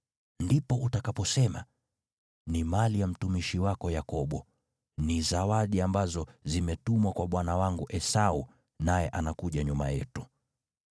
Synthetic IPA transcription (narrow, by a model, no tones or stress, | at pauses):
ndipɔʔutakapɔsɛma | nimalijam̩tumiʃiwakɔjakɔɓɔ | nizawaɗiambazɔzimɛtumwakwaɓwanawaŋɡuʔɛsau | najɛʔanakuʄaɲuma̰jɛ̰tu